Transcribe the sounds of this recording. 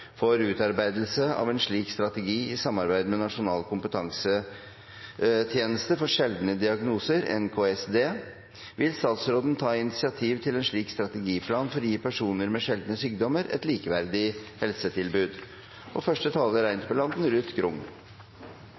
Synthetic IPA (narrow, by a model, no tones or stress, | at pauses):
fɔɾʉːt̪ɑɾbæɪd̪l̩səɑ̰ːʋɛnʂɭiːkst̪ɾɑt̪ɛɡiːɪsɑmɑɾbæɪd̪mɛnɑʂʊnɑːlkʰʊmpət̪ʰɑŋsə | t̪ʰjeːnəst̪əfɔʂɛld̪nəd̪ɪɑɡnuːsəɾɛ̰nkʰoːɛsd̪eː | ʋɪlst̪ɑːt̪sɾoːd̪n̩t̪ʰɑːɪnɪt̪sɪɑt̪ʰiːʋt̪ʰɪlɛnʂɭiːkst̪ɾɑt̪ɛɡiːpʰlɑːnfɔɾjiːpʰæʂuːnəɾmɛʂɛld̪nəsyːkd̪ɔməɾɛ̰t̪liːkəʋæɾd̪ɪhɛlsət̪ʰɪlbʉːd̪ | ʔɔfœʂʈət̪ʰɑːləɾæɪnt̪pʰɔlɑnd̪n̩ɾʉːt̪ɡɾʊŋ